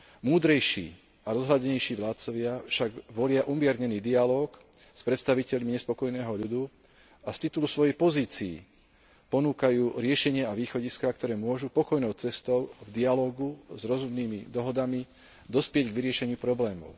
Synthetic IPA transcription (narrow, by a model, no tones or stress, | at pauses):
muːd̪ɾɛjʃḭː | aɾɔzɦlaɟɛɲɛjʃiːʋlaːt̪t͡sɔʋɪafʃaɡʋɔlɪaʔumɪɛɾɲɛniːd̪ialɔːk | spɾɛt̪st̪aʋicɛʎmiɲɛspɔkɔjnɛːɦɔʎud̪u | ast̪it̪ulusʋɔjɛjpɔziːt͡sḭː | pɔnuːkajuːɾɪɛʃɛɲɪɛaʋiːxɔɟiskak̚t̪ɔɾɛːmʊɔʒupɔkɔjnɔʊt͡sɛst̪ɔʊvd̪ialɔːɡuzɾɔzumniːmḭd̪ɔɦɔd̪ami | d̪ɔspɪɛɟɡʋiɾɪɛʃɛɲɪupɾɔblɛːmɔ̰ʊ